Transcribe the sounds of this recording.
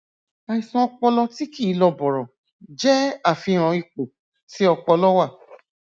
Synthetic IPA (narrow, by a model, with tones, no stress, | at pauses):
a˨i˨sã˧ɔ˧k͡pɔ˧lɔ˧ti˦ki˦˨˧lɔ˧bɔ˨ɾɔ˨ | d͡ʒɛ˦a˦˨fĩ˧ɾ̃ã˧i˧k͡po˨ | si˦ɔ˧k͡pɔ˧lɔ˦wa˦˨